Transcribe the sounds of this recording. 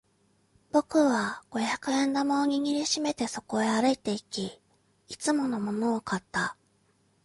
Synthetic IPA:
b̥o̞kɯ̟βaɡ̥o̞jakɯ̟ẽ̞nd̪amaːɲ̟iɲ̟iɾʲɯɕime̞t̪e̞so̞ko̞e̞aɾɯ̟it̪e̞ikʲi | it͡sɨmo̞no̞mo̞no̞ːkat̪ːa

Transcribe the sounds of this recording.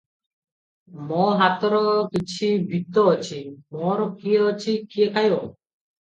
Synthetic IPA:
mɔɦat̪ɔɾɔkit͡ɕʰibʱit̪ːɔot͡ɕʰimɔɾɔkieot͡ɕʰikiekajo

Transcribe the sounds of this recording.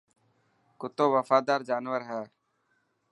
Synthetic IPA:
kʊt̪oːʋəfaːd̪aːɾd͡ʒaːnʋəɾɦɛː

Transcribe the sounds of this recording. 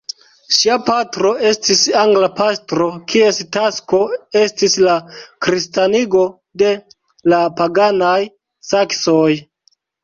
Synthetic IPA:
ʃiapatɾo̞e̞stisaŋɡlapastɾo̞kʰie̞stasko̞estislakɾistaniɡo̞ | de̞ | lapaɡanaj | saksoj

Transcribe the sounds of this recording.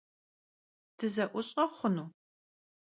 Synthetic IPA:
d̥ʰɨzɐʔʷʊɕʼɐχʷʊnuː

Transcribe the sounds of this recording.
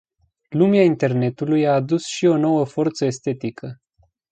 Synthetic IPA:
lumeaint̪e̞rne̞t̪ulujaːd̪usʃio̞no̞wəfo̞rt̪səest̪e̞t̪ikʰə

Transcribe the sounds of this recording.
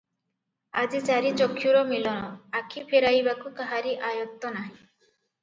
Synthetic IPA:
ad͡ʒit͡ʃaɾit͡ʃɔkʰːjuɾɔmilɔnɔakʰipʰeɾajbakukaɦaɾiʔajɔt̪ːɔnaɦĩ

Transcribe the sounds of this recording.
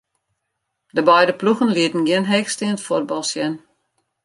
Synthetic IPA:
dəbɛjdəpluxənliətn̩ɡɪnɦɛxstɪnətfor̚bɑlˠsjɛn

